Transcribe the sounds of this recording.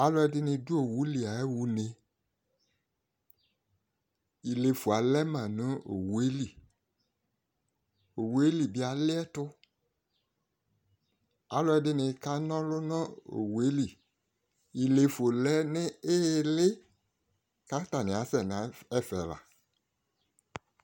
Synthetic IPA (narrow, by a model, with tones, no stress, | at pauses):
a˨lʊ˦ɛ˧dɪ˦nɪ̃˧du˦o˨wu˨˦li˨a˨ɛ˦wu˦ne˧ | i˨le˨fu˨a˨lɛ˦mã˨nʊ̃˦o̰˨wu˨e˦li˨ | o˨wu˦e˦li˨bɪ˦a˨lɪ˦ɛ˦tʊ˦ | a̰˨lɔ˦ɛ˦dɪ˦nɪ̃˨˦ka˦nɔ̃˦lʊ˦nɔ̃˦o̰˨wu˨e˦li˨ | i˨le˨fo˨lɛ˦nɪ̃˦ɪ˦lɪ˦ | ka˦t̪a˨nɪ̃˨a˨˦sɛ˨n˨ã˨ɛ˦fɛ˨la̰˨